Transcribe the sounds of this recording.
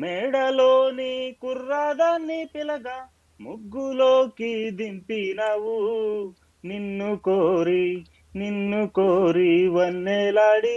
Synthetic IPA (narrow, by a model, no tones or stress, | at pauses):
mɛɽɐloːnikuɾːaːd̪ɐnːipilɐɡɐ | muɡːuloːkid̪impinaʋu | ninːukoɾi | ninːukoːɾiʋɐnːeːlaːɽi